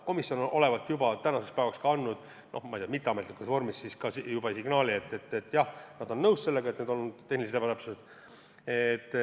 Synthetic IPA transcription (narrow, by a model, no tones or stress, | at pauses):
ko̞misjo̞nonʔo̞le̞vɑt̪ːˑjubɑt̪ænɑsekspæevɑkskɑɑnːud̪̥ | nʔo̰hmɑid̪ʲjɑmit̪ːeɑmet̪likːˑusvo̞rmissiskɑsijubɑsiɡnɑːlie̞t̪ˑːet̪ːet̪ːjɑhnɑd̪o̞nːɤwsse̞lːe̞ɡɑet̪ned̪olnud̪̥ːeniset̪ebɑt̪æpsused̪̥ | et̪ːˑ